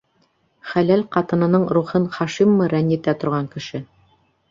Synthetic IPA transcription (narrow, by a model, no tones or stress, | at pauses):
χælælqɑt̪ɤ̆nɤ̆nɤɴɾuχɤnχɑʃimːɤɾænːit̪æt̪ŏɾʁɑŋkɘ̆ʃɘ